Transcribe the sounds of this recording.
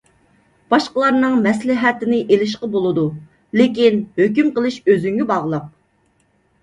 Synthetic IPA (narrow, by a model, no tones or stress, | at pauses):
b̥ɑʃqəlˠɑɾnɨŋmɛslɪɦɛt̪ɪnɪʔelɪʃ̬qɑbolˠɨd̪u | lekʲinhøkʲymqəlˠɨʃøzyŋɡʲɛbɑʁlˠəq̚